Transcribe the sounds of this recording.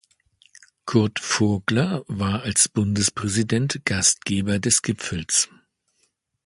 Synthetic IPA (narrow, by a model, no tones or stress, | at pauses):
kʰʊɐtfʊɡlɐvaːɐalsb̥ʊndəspʁ̥ɛzidɛntɡ̥ast̚ɡ̥eːbɐdɛsɡ̥ɪpp͡fl̩s